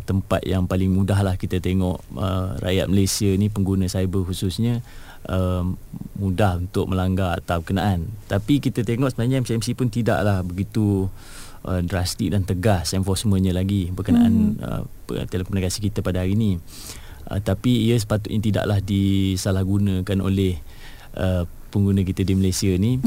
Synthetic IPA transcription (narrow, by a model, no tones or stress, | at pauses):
t̪əmpat̪̚jaŋpalɪŋmudaɦlahkit̪ət̪eŋɔʔə̰ra̰ja̰t̪̚məlesiənipəŋɡunə̃sajbəhususɲə | ʔə | mudahunt̪ʊk̚məlaŋɡaa̰t̪awbəkənaʔant̪apikit̪ət̪eŋɔʔsəbənaɲəɛmsiɛmsipʊnt̪ida̰ʔlahbəɡit̪u | ʔədɾast̪ɪk̚dant̪əɡasɛnfɔsmə̃ɲə̃laɡibəkəna̰ʔa̰nə̰ | t̪eləkomnakasikit̪əpadaɦaɾini | ʔə̰t̪apiːəs̬ə̥pat̪̬ʊt̪̚ɲət̪ida̰ʔlahdisalahɡunə̃kano̰lɛh | ʔə | pəŋɡunə̃kit̪ədiməlesiəni